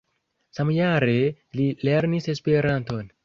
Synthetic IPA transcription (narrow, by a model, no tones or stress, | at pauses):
samjaɾe | lileɾnisespeɾanto̞n